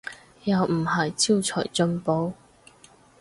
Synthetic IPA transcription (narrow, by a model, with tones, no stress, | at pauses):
jɐ˨wm̩˨˩hɐ˨jt͡si˥wt͡sʰɔː˨˩jt͡sɵ˧npo˨˥w